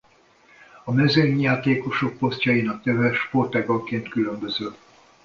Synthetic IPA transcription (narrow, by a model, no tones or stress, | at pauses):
ɒmɛzeɲaːt̪eːko̞ʃo̞k̚po̞stcjɒjinɒk̚t̪ɛvɛʃpo̞rt̪ɛːɡɒlkeːnt̪kylø̞mbø̞zøl